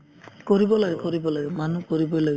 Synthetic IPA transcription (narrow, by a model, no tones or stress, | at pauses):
koɹibɔlaɡɛkɔɹibɔlaɡɛmanukoɹibɔjlaɡ